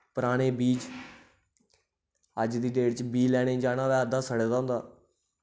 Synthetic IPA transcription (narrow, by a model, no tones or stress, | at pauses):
pəɾaːɽ̃eːbiːd͡ʒ | əd͡ʒd̪iːɖeːɖt͡ʃbiːlɛːɽ̃eːd͡ʒaːnaːʋɛːəd̪aːsəɽːd̪aːɦʊ̃nd̪aː